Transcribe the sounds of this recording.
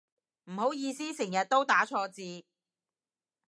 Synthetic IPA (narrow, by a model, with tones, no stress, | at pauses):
m̩˨˩ho˨˥wjiː˧siː˥sɪ˨˩ŋjɐ˨t̚t̪o˥wt̪aː˨˥t͡ʃʰɔː˧t͡siː˧